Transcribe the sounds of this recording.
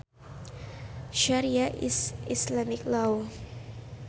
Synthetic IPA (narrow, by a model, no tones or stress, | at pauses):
ʃaɾiaʔḭsislamiklaw